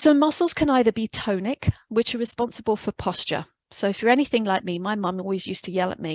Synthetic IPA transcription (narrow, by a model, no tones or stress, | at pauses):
sə̃ʊmʌsl̩ˠz̥kʰə̃naɪðəbitʰə̃ʊnɪkwɪt͡ʃəɹɨspɑ̃nsəbəlˠfəpʰɒst͡ʃə̰ | soʊɨfjə˞ɛniθɪ̃ŋlaɪk̚mimaɪmʌ̃mɔlˠwizjʉˑstʰəjɛlˠə̰ʔ̚mi